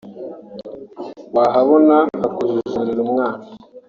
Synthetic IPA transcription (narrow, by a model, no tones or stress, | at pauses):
waɦaβonahakuzuzuɾiɾumŋaːna